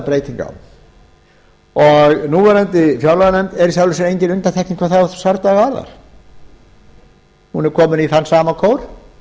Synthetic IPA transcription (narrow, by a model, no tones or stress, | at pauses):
pɾeːjt̪iŋka̰w | ɔɣnuːvɛɾant̪ɪfjawlaðnɛnt̪ɛɾsjawlʏsnejɲcɪnʏnt̪ant̪ʰɛkniŋkʰvaɾθaθsaɾt̪aɣaɾða̰ɾ̥ | hunɛɾ̥kʰɔːmʏniθanːsaːmakʰowɾ̥